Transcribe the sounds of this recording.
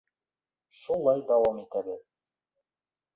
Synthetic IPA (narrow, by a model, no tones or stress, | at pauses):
ʃulˠɑjd̪ɑwɑmit̪æbɘð